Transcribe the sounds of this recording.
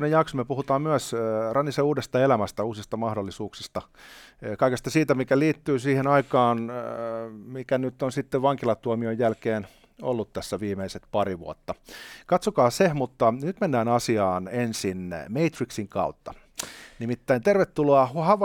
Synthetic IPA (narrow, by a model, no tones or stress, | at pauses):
nejɑksomyøpuhut̪ɑːmmyæsrɑnːiseuːdest̪ɑelæmæst̪æuːsist̪ɑmɑhdolːisuːksist̪ɑ | kɑikest̪ɑsiːt̪æmikæliːt̪ːyːsiːhenɑikɑːn | mikænyt̪ːonsit̪ːeʋʋɑŋkilɑt̪uomiojjælkeːn | o̰lːut̪t̪æsːæʋiːmeiset̪pɑɾiʋṵot̪ːɑkɑt̪sokɑːsehmut̪ːɑnyt̪menːæːnɑsiɑːnensinmeit̪riksiŋkɑ̰ut̪ːɑ | nimit̪ːæint̪erʋet̪ːuloɑhɑʋɑ